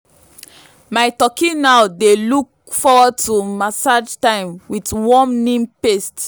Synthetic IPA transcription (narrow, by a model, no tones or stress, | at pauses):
maɪtɔkĩnaʊdeluk̚fɔwɔd̚tumasad͡ʒtãɪ̃mwidwɔmnĩmpest